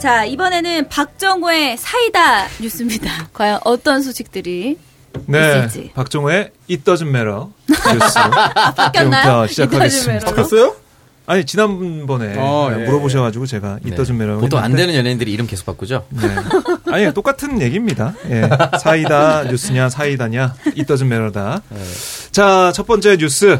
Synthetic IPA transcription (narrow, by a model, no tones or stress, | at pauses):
t͡ɕaibʌne̞nɯnpak̚t͡ɕ͈ʌŋue̞sʰaidaɲus͈ɯmɲidakwajʌŋʔʌt͈ʌns̬ʰoɕʰik̚t͈ɯɾi | ne̞d͡ʑḭpak̚t͡ɕ͈ʌŋue̞ | it͈ʌd͡ʑɯmme̞ɾʌuɯk͈ːaʌɕʰid͡ʑakʰaɡeimeɾos͈ʌjo | aɲit͡ɕinanbnbʌne̞muɾʌboɕ̬ʰʌɡad͡ʑuɡot͡ɕe̞ɡaitt͈ʌd͡ʑɯnme̞ɾoetʰoa̰nddenɯnjʌneindɯɾiːɾɯmke̞sʰo̥kp͈ak͈ud͡ʑoneaɲit͈ok͈atʰɯnje̞ɡimɲidaje̞sʰaidajus͈ɯɲasʰaidaɲait͈ʌd͡ʑɯnme̞ɾʌda | t͡ɕat͡ɕʰʌp͈ʌnt͡ɕ͈eɲus͈ɯ